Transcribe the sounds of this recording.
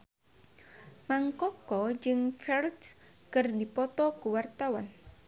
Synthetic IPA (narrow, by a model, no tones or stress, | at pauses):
maŋkɔkɔd͡ʒɨŋfɛrd | kɨrdipɔt̪ɔkuwart̪awan